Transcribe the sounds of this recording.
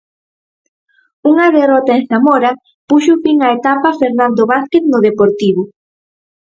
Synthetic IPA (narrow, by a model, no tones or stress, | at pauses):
uŋɐðerɔt̪aeŋsamɔɾɐ | puʃʊfiŋɐet̪apɐfeɾnand̪oβasket̪nʊðepoɾt̪iβʊ